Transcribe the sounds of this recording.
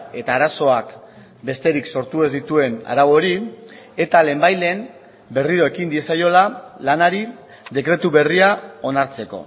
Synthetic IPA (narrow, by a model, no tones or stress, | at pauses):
e̞t̪aːɾaso̞ak | be̞st̪e̞ɾikso̞ɾt̪ue̞zd̪it̪ue̞na̰ɾawo̞ɾi | e̞t̪ale̞ːmbajle̞ːm | be̞riɾo̞e̞kind̪ie̞sajo̞lalanaɾi | d̪e̞kɾe̞t̪uβe̞riao̞naɾt͡se̞ko̞̰